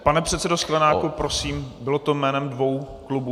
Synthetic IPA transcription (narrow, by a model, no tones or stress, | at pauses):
panɛpr̝̥ɛt̪sɛdosklɛnaːkupɾosiːmbɪlot̪omɛːnɛmdvo̞w | klubu